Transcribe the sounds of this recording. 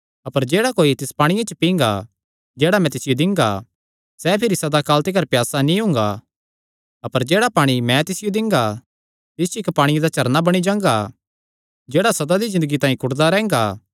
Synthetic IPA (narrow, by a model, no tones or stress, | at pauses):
ɐpəɾd͡ʒeːɽakoːit̪ɪspaːɽ̃ɪjãt͡ʃəpĩːŋɡa | d͡ʒɛeːɽamɛ̃t̪ɪsɪjod̪ɪ̃ŋɡa̰ | sɛpʰɪɾisɐd̪akaːlt̪ikɐɾpjaːsanĩɦʊ̃ŋɡa | ɐpəɾd͡ʒeːɽapaːɽ̃imɛ̃t̪ɪsɪjod̪ɪ̃ŋɡa | t̪ɪst͡ʃoɪkpaːɽ̃ɪjad̪at͡ʃɐɾnabɐɽ̃id͡ʒãːŋɡa | d͡ʒɛːɽasɐd̪ad̪izɪ̃nd̪əɡit̪ãːĩkʊɽd̪aɾɛ̃ːŋɡaː